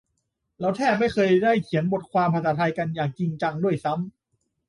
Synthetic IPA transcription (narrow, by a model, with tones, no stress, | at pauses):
lɛː˦˥wt̪ʰɛː˥˩p̚ma˥˩jxʰɤː˧jdaː˥˩jkʰi˩˦ənbo˨˩t̪̚kʰwaː˧mpʰa˧˩s̬aː˨˦t̪ʰaː˧jka˧njaː˨˩ŋt͡ɕi˧ŋt͡ɕa˧ŋdu˥˩əjsa˦˥m